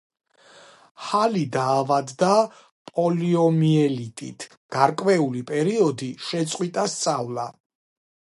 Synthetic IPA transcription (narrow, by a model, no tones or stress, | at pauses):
halid̪aːvad̪ːa | pʼɔliɔmiɛlit̪ʼit̪ʰ | ɡ̥aɾkʼvɛulipʼɛɾiɔd̪iʃɛt̪sʼqʼwit̪ʼast̪sʼavlˠa